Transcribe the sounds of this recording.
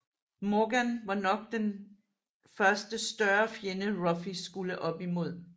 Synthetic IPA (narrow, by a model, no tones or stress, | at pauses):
mɒɡ̥ænʋɑ̈nɒ̽ɡ̥̚d̥en | fɶɐsd̥əsd̥ɶɐfjenəʁɒ̽fisɡ̥uləʔɒ̽b̥imo̝ð̞̰ˠ